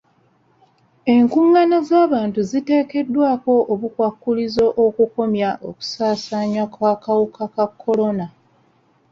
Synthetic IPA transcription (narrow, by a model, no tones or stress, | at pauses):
e̞ŋkuŋːanazaːβaːntuzite̞ːke̞dːwaːko̞ʔoβukwakːulizo̞ʔokuko̞mjaʔo̞ku̥saːsaːɲwakwakawukakakʰːo̞lo̞na